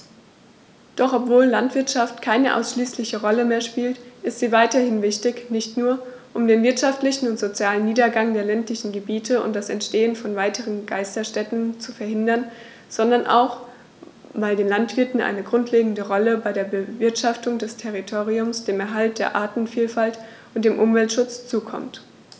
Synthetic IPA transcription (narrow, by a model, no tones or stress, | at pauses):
d̥ɔχɔpv̥oːllantv̥ɪɐtʃaftkʰaɪnəʔa̰ʊsʃliːslɪçəʁɔləmeːɐʃpiːltʔɪstz̥iːvaɪtɐhɪnvɪçtɪçnɪçtnuːɐ | ʔʊmdeːnvɪɐtʃaftlɪçn̩ʊntz̥ot͡sjaːlənːiːdɐɡaŋdeːɐlɛntlɪçn̩ɡəbiːtʰəʊ̰nt̚d̥asɛ̰ntʃteːənfɔnvaɪtʰəʁənɡaɪstɐʃtɛtn̩t͡sufɛɐhɦɪndɐn | z̥ɔndɐnʔa̰ʊx | vaɪldeːnlantv̥ɪɐtn̩ʔa̰ɪnəɡʁʊntleːɡŋ̩dəʁɔləbaɪɾeːɐbəvɪɐtʃaftʊŋdɛstʰɛʁitʰoːʁiʊmsd̥eːmɛɐɦalt̚d̥eːɐʔaːtn̩fiːlfalt | ʔʊnt̚d̥eːmʔʊmvɛltʃʊt͡st͡suːkʰɔ̰mt